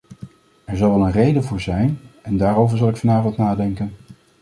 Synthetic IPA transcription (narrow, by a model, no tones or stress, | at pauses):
ɛɹzɑlˠʋɛlˠənrejdəvʊːɹzɛjnɛndaːɾowvəɹzɑlˠɪkfɑnaːvɑntnaːdɛŋkən